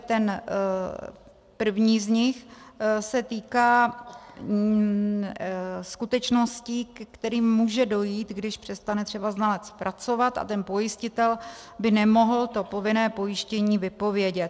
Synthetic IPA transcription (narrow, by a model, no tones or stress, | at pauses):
t̪ɛn | pr̩vɲiːzɲɪxsɛt̪iːkaː | skut̪ɛt͡ʃno̞scikkt̪ɛɾiːmːuːʒɛdo̞jiːt̪ɡdɪʃpr̝̥ɛst̪anɛt̪r̥ɛbaznalɛt͡spɾʔat͡so̞vat̪ʔa̰t̪ɛnpo̞jɪscɪt̪ɛl | bɪnɛmo̞ɦl̩t̪o̞po̞vɪnɛːpo̞jɪʃcɛɲiːvɪpo̞vjɛɟɛt̪̚